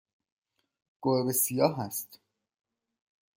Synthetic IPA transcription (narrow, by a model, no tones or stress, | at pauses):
ɡ̥oɾbesijɒːɦæst̪